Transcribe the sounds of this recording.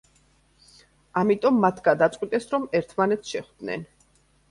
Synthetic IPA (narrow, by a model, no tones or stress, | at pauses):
amit̪ʼɔmːat̪ʰɡad̪at̪sʼwit̪ʼɛsɾɔmɛɾt̪ʰmanɛt̪sʰʃɛχd̪̥nɛ̰n